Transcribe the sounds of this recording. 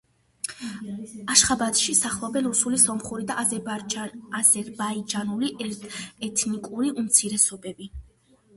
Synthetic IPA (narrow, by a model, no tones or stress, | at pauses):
aʃχabat̪ʃisaχlˠɔbɛnɾusulisɔmχuɾid̪aʔ | azɛɾbaid͡ʒanuɾiʔɛɛt̪ʰnikʼuɾiʔumt̪sʰiɾɛsɔbɛbi